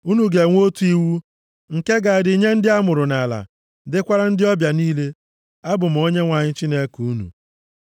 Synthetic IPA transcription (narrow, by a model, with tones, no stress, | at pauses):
u˦nu˨ɡe˨ŋʷ˦o˦tu˦i˦wu˦ | ŋ̩˨ke˦ɡa˨dɪ˨ɲe˦n̩˦dɪ˦a˦mʊ˨ɾʊ˨na˨la̰˨ | dɪ˦kʷa˦ɾa˦n̩˦dɪ˦ɔ˦bja˨niː˦le˦ | a˦bʊ˨m̩˨o˦ɲe˦ŋʷa˨ɲɪ˦t͡ʃi˦ne˦ku˨˦nṵ˨